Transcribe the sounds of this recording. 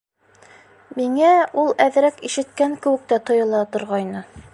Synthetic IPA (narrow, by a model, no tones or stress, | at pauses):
miŋæulˠæðɾækiʃɘ̆t̪kæŋkɘ̆wɘ̆k̚t̪æt̪ŏjɤ̆lˠɑt̪ŏɾʁɑjnɤ